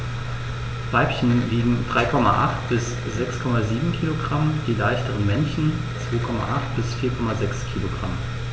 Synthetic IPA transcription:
v̥aɪpçən̩liːɡŋ̩d̥ʁaɪkʰɔma̰ʔa̰χtb̥ɪs | z̥ɛkskʰɔmaziːbm̩kʰiːloɡʁamd̥iːlaɪçtəʁənmɛnçn̩ | t͡sv̥oːkʰɔma̰ʔaχt̚b̥ɪsfiːɐkʰɔmazɛkskʰiːloɡʁa̰m

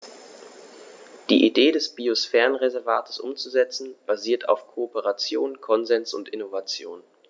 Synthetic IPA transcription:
d̥ḭːʔideːdɛsb̥iosfɛːʁənʁezɛɐvaːtʰə̥sʔʊ̰mt͡suzɛt͡sn̩b̥aziːɐtʰa̰ʊfkʰoopəʁat͡sjoːnkʰɔnzɛnsʊ̰ntɪnovat͡sjo̰ːn

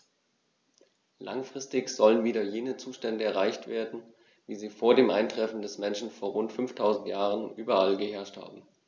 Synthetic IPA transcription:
la̰ŋfʁ̥ɪstɪçz̥ɔlənviːdɐjeːnət͡suːʃtɛndəɛɐʁ̞aɪçtv̥eːɐdn̩ | viːziːfoːɐdeːmʔa̰ɪntʁ̥ɛfn̩dɛsmɛnʃn̩foːɐʁʊntfʏnftʰaʊzn̩tjaːʁənʔyːbɐalɡəɦɛɐʃtha̰ːbm̩

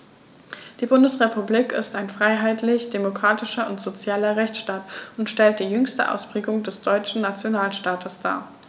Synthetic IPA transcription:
d̥iːbʊndəsʁepubliːkɪ̰staɪnfʁ̥aɪɦaɪtʰlɪçd̥emokʁ̥aːtɪʃɐʊntz̥ot͡sjaːlɐʁɛçt͡sʃtaːtʊntʃtɛlt̚d̥iːjʏŋstə̰ʔa̰ʊspʁ̥eːɡʊŋdɛsd̥ɔʏt͡ʃn̩nat͡sjonaːlʃtaːtʰəsd̥a̰ːɐ

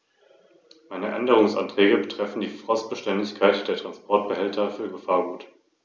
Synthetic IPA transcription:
maɪnəʔɛndəʁ̞ʊŋsʔa̰ntʁ̥ɛːɡəbətʁ̥ɛfn̩diːfʁ̥ɔst̚b̥əʃtɛndɪçkʰaɪtd̥eːɐtʁ̥anspʰɔɐt̚b̥əhɛltʰɐfyːɐɡəfaːɐɡuːt

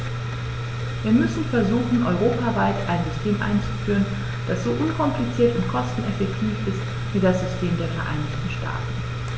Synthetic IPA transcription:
viːɐmʏsn̩fɛɐzuːxn̩ʔɔʏʁ̞oːpavaɪtʔaɪnzʏstʰeːmʔa̰ɪnt͡su̥fyːʁən | d̥asz̥oːʔʊnkʰɔmplit͡siːɐtʊntkʰɔstn̩ɛfɛk̚tʰiːfɪst | viːdasz̥ʏstʰeːmdeːɐfɛɐʔa̰ɪnɪçtn̩ʃta̰ːtn̩

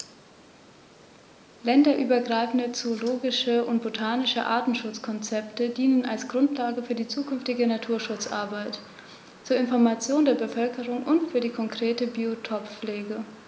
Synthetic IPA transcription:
lɛndɐʔyːbɐɡʁaɪfn̩dət͡soːloːɡɪʃəʔʊnt̚b̥otʰaːnɪʃə̰ʔa̰ɐtn̩ʃʊt͡skʰɔnt͡sɛptədiːnənalsɡ̥ʁʊntʰlaːɡəfyːɐdiːt͡suːkʰʏnftɪɡənatʰuːɐʃʊt͡sʔa̰ɐbaɪt | t͡suːɐɪnfɔɐmat͡sjoːndeːɐbəfœlkəʁʊŋʔʊntfyːɐdiːkʰɔŋkʁ̥eːtəbiːotʰɔpp͡fleːɡə

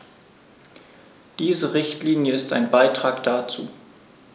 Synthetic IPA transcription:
d̥iːzəʁɪçtliːnjəɪsta̰ɪnbaɪtʁ̥aːkd̥at͡sṵː

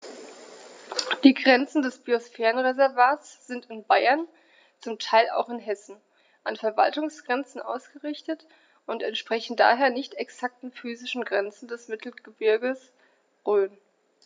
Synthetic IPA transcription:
d̥iːɡʁɛnt͡sn̩dɛsb̥iosfɛːʁənʁezɛɐvaːɐsz̥ɪntɪnbaɪɐn | t͡sʊmtʰaɪla̰ʊxɪnɦɛsn̩ | ʔanfɛɐva̰ltʊŋsɡ̥ʁɛnt͡sn̩ʔa̰ʊsɡ̥əʁɪçtət | ʔʊntɛntʃpʁ̥ɛçn̩da̰ːɦeːɐnɪçtɛksak̚tn̩fyːzɪʃn̩ɡʁɛnt͡sn̩dɛsmɪtʰl̩ɡ̥əbɪɐɡəs | ʁøːn

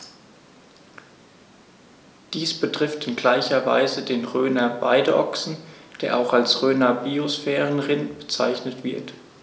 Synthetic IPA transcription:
d̥iːsb̥ətʁ̥ɪftɪnɡlaɪçɐva̰ɪzədeːnʁøːnɐba̰ɪdəʔɔksn̩d̥eːɐʔaʊxalsʁøːnɐbiosfɛːʁənʁɪntb̥ət͡sa̰ɪçnətv̥ɪɐt

